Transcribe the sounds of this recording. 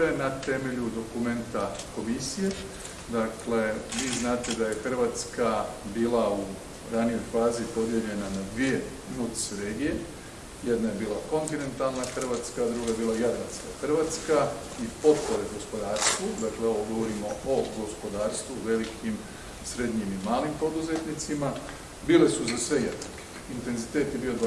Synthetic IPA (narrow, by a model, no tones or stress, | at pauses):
enat̪e̞me̞ʎud̪o̞kume̞nt̪ako̞misije̞ | d̪akle̞ʋiːznaːt̪e̞d̪aje̞xr̩ʋat̪skabiːlˠau | ɾanijo̞jfaːzipo̞d̪je̞ʎe̞nanad̪ʋie̞ | nut̪seɾeːɡije | je̞d̪najebiːlako̞nt̪ine̞nt̪alˠnaxrʋat̪skad̪ɾuɡajebiːlajad̪ɾanskaxr̩ʋat̪ska | ipo̞t̪poɾeɡo̞spo̞d̪aːɾst̪ʋud̪akleo̞ʋoɡo̞ʋo̞ɾimo̞oɡo̞spo̞d̪aːɾst̪ʋuʋe̞likʰim | sɾe̞d̪ɲimimaːlimpo̞d̪uze̞t̪nit̪sima | biːle̞suzasʋe̞jed̪nake̥int̪e̞nzit̪e̞ːt̪je̞biod̪a